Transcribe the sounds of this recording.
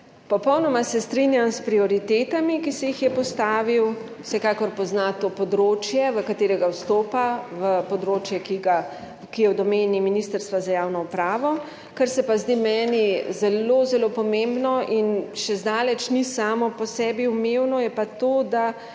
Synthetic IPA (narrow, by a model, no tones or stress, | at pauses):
pɔpɔwnɔmasɛst̪ɾinjamspɾiɔɾit̪eːt̪amikisɛjixjɛpɔst̪aːʋiw | wsɛkakɔɾpɔznat̪opɔd̪ɾoːt͡ʃjɛʋəkat̪eːɾɛɡawst̪oːpaʋəpɔd̪ɾoːt͡ʃjɛkiɡa | kijɛwd̪ɔmeːniminist̪əɾst̪ʋazajaːwnɔupɾaːʋɔ | kəɾsɛpazd̪imɛːnizɛlozɛlopɔmẽmbnɔʔinʃɛzd̪aːlɛt͡ʃnisaːmɔpɔsɛːbiumewnɔjɛpat̪od̪a